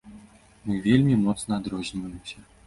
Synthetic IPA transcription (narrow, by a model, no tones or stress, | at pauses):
mɨvʲelʲmʲimɔt̪snɐad̪ɾɔzʲnʲivɐjɪmsʲɐ